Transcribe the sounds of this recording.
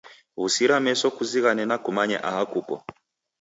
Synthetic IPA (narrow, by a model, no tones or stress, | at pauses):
ɣusiɾamɛsɔkuziɣanɛnakumaɲɛ̰ʔa̰hakukɔ̰